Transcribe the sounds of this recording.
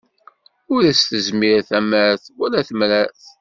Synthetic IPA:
ʊɾæsθəzmiɾaθæməɾθwælæθəmɾæθ

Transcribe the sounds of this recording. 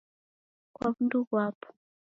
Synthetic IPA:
kwaβunduβwapɔ̥

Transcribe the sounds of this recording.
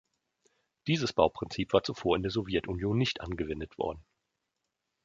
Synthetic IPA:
d̥iːzəsb̥aʊpʁ̥ɪnt͡siːpv̥aːɐt͡sufoːɐɪndeːɐzɔvjɛtʔʊnjoːnːɪçtʔa̰nɡəvɛndətv̥ɔ̰ɐdn̩

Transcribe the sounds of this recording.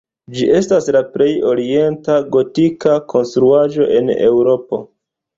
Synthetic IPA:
d͡ʒiʔe̞staslapɾe̞jo̞ɾie̞ntaɡo̞tikakʰo̞nstɾuad͡ʒo̞ʔe̞̰ne̞wɾo̞po̞̰

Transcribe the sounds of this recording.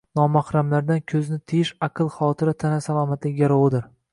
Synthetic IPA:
nɒmahɾamlaɾd̪ankʲʰɵznɪt̪ʰɪjɪʃɑqʰɨlˠχɒt̪ʰɪɾat̪ʰanasalˠɒːmat̪lɪaɾɒwɪd̪ɪɾ

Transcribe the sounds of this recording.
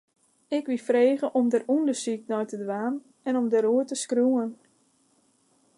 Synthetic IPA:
ɪkʋifreːɣəʔɔmdərundəsik̚nɔjtədʋaːn | ɛnɔmdəɾuətəskruən

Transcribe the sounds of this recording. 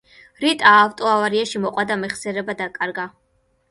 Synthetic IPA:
ɾit̪ʼaːwt̪ʼɔavaɾiaʃimɔqʼwad̪amɛχsɛɾɛbad̪akʼaɾɡa

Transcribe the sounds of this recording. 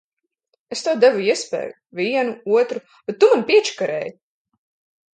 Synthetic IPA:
est̪awd̪ɛvuiɛspɛ̰ːjuviɛnuuɔt̪ɾu | bet̪ːumanpiɛt͡ʃi̥kaɾɛ̰ːju

